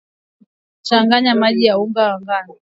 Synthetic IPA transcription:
t͡ʃaŋɡaɲamaʄijauŋɡawaŋɡani

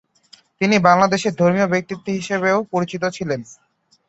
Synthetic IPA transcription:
t̪inibaŋlad̪eʃeɾd̪ʱoɾmiobek̚t̪it̪ːeɦiʃeβeopoɾit͡ɕit̪̬ot͡ɕʰilen

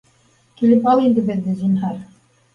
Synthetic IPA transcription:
kilɘpɑlˠind̪ɘ̆bɘ̆ðːɘzinɦɑɾ

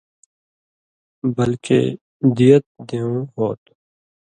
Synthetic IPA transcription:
bəlkḛː | d̪ijət̪̚d̪eːõːɦoːt̪

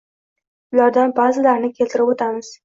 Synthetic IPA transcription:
ʊlaɾd̪anbazɪlaɾnɪkʲʰe̞lʲt̪ʰɪɾɪbot̪ʰamɪz̥

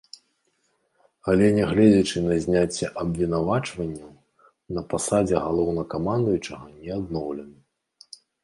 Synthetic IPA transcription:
alʲɛnʲɛɣlʲɛd͡zʲɐt͡ʂɨnɐzʲnʲat͡sʲːɛʔɐbvʲinavat͡ʂvɐnʲːɐ | nɐpasad͡zʲɛɣalˠɔwnɐkamand̪ujut͡ʂɐɣɐnʲɛad̪nɔwlʲɛnɐ

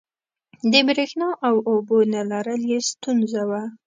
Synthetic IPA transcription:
d̪əbɾexnɑʔawobonalaɾəljest̪unzawa

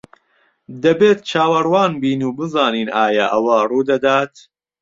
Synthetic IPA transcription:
d̪ɐbeːt̪t͡ʃʰaːwɐrwɑːnbiːnuːbɨzɑːniːnʔaːjɐʔɐwɐruːd̪ɐd̪aːt̪

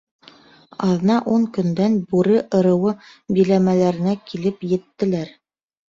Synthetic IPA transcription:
ɑðɤ̆nɑʔuŋkɵ̆nd̪ænbʉɾɘʔɤ̆ɾɤ̆wɤ | bilæmælæɾɘ̆nækilɘpjɘ̆t̪ːɘ̆læɾ

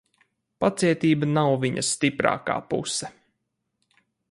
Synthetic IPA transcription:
pat̪siɛt̪iːbanawviɲɐst̪ipɾa̰ːka̰ːpṵsɛ

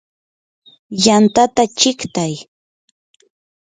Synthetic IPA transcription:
jant̪at̪at͡ʃɪkt̪aj

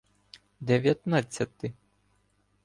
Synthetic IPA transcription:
d̪ɛʋʲjɐt̪nat͡sʲːɐt̪ɪ

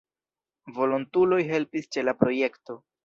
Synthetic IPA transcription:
vo̞lontulo̞jɦe̞lpist͡ʃe̞lapɾo̞je̞kto̞

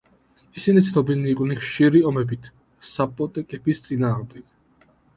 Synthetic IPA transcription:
isinit̪sʰnɔbiniːkʼniχʃiɾiɔmɛbit̪ʰ | sapʼɔt̪ʼɛkʼɛbist̪sʼinaːʁmd̪ɛɡ̥

